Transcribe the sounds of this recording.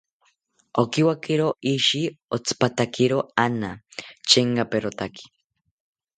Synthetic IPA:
okiwakiɾoiʃiot͡sʰɨ̥pat̪akʰiɾoanat͡ʃeŋkapeɾot̪aki̥

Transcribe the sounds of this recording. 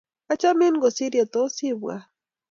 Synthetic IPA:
kat͡ʃaminɡosiɾjot̪osiba̰

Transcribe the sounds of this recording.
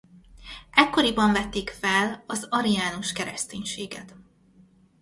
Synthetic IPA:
ʔɛkːo̞ɾibɒɱvɛt̪ːeːkfɛlɒzɒɾijaːnuʃkɛɾɛst̪eːɲʃeːɡɛt̪

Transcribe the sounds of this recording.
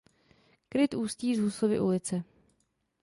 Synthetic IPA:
kɾɪt̪ʔuːsciːzɦusovɪ̰ʔulɪt͡sɛ

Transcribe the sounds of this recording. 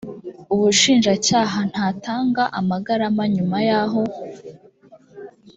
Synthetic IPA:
uβuʃiːnʒacaːɦan̥haːtaːŋɡaʔamaɡaɾamaɲumajaɦo̞

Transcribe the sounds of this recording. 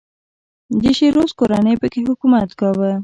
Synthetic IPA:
d̪əʃeɾoskoɾanəjpəkeɦʊkumat̪kɑwə

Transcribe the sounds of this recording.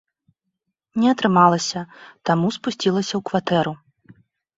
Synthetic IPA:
nʲɛɐt̪ɾɨmalˠɐsʲɐt̪amuspusʲt͡sʲilˠɐsʲɐwkvat̪ɛɾu

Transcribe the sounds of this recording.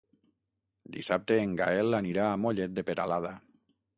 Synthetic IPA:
d̪ḭsap̚t̪eːŋɡa̰elaniɾaːmoʎet̪̚d̪epeɾalaða

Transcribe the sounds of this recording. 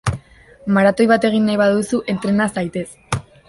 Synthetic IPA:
maɾat̪o̞jβat̪e̞ɣ̞inːajβaðusuʔe̞nt̪ɾe̞nasajt̪e̞s

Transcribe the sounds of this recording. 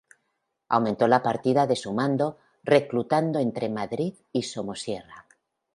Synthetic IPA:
a̰wmẽnt̪o̞lapaɾt̪iðaðe̞sumãnd̪o̞ | re̞klut̪and̪oe̞nt̪ɾe̞maðɾið | iso̞mosje̞ra

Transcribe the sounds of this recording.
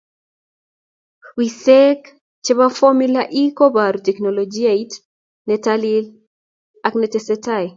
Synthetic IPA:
wisɛk | t͡ʃɛβafɔmilaʔikobaɾutɛknɔlɔd͡ʒiait | nɛtalil | aknɛtɛsɛtaj

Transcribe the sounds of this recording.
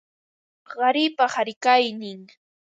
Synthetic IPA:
ɢɑɾɪpahaɾɪkajnɪŋ

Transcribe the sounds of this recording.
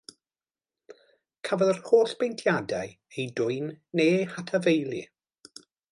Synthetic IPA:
kʰavəlˠrhoːɬb̥ejntʰjadaj | ejdʊɨnːeːhatʰavejlˠḭ

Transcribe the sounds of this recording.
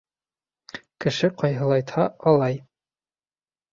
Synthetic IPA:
kɘ̆ʃɘqɒjɦɤ̆lˠɑjt̪hɑɒlˠɑj

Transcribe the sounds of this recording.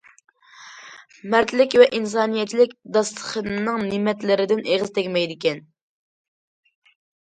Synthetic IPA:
mæɾt̪ʰlɪkʲvɛʔins̬ɑːnijɛt͡ʃʰilɪkʲd̪ɑst̪ə̥χənɨŋnimɛt̪lɪɾɪd̪ɪnʔeʁɨzt̪ʰɛkʲmɛjd̪ɪkʲɛn

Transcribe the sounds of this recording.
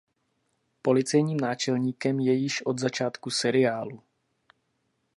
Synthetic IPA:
po̞lɪt͡sɛjɲiːmnaːt͡ʃɛlɲiːkɛmjɛjɪʃʔo̞d̪zat͡ʃaːt̪kusɛɾɪjaːlu

